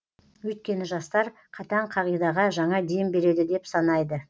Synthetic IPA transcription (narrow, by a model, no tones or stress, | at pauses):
wɵjt̪̚kʲe̞nɪʒɑst̪ɑɾ | qʰɑt̪ɑɴqʰɑʁijd̪ɑʁɑʒɑɴɑd̪embe̞ɾe̞d̪ɪd̪e̞psɑnɑjd̪ə